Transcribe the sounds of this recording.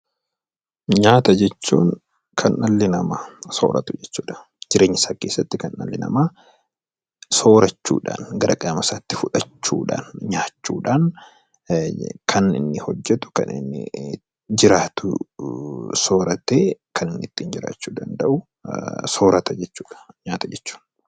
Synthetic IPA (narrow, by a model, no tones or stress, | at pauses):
ɲaːt̪ɐd͡ʒɛt͡ʃːṵːŋ | kʰɐnʔɐlːɪnɐmaːso̰ːɾɐ̰t̪ʊd͡ʒɛt͡ʃːuːᶑɐ̥ | d͡ʒɪɾʔe̞ːɲːɪsaːke̞ːsːɐt̪ːɪkɐnːɐ̰lːɪnɐ̰maː | so̞ːɾɐt͡ʃːṵːᶑa̰ːnɡɐɾɐkʼɐmɐsaːt̪ːɪfʊᶑɐt͡ʃːṵːᶑa̰ːnɲaːt͡ʃːuːᶑaːn | kʰɐnɪ̰nːɪhɔd͡ʒːɛt̪ʊ̥kɐ̰nɪ̰nːɪ̰ | d͡ʒɪɾaːt̪ʊ | so̞ːɾɐt̪eːkʰɐnɪnːɪt̪ːiːnd͡ʒɪɾa̰ːt͡ʃːuːd̪ɐnd̪ɐʔʊ | so̞ːɾɐt̪ɐd͡ʒɛt͡ʃːuːᶑɐ̥ɲaːt̪ɐd͡ʒɛt͡ʃːu̥ːn